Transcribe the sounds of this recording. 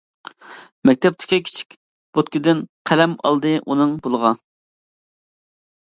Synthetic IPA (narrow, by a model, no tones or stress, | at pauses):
mɛkʲt̪ʰɛp̚t̪ʰɪ̥kʲikʲʰi̥t͡ʃʰi̥kʲ | b̥ot̪kʲid̪ɪnqʰælɛmɑ̰lˠd̪ɨʔunɨŋbolˠəʁɑ